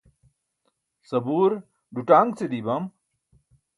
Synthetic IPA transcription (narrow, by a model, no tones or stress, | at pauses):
sɐbuːɾ | ɖuʈaːŋɡsed̪ibam